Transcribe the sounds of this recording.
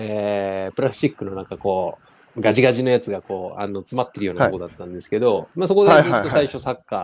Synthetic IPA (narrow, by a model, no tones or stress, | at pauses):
eːpɯɾaɕikːɯ̟no̞nãŋkako̞ː | ɡaʑiɡaʑino̞jat͡sɨɡako̞ːano̞t͡sɨmat̪ːe̞ɾɯjo̞ːntookod̪at̪ːãnd̪e̞sɨ̥ke̞d̪o̞maso̞ko̞d̪eɨːt̪o̞saiɕo̞sakːa